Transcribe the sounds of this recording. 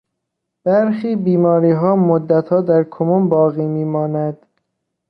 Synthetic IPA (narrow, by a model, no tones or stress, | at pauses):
b̥æɾxiːbiːmɒːɾiːɦɒːmod̪ːæt̪hɒːd̪æɾkʰomumbɒːɣiːmiːmɒːnæd̪̥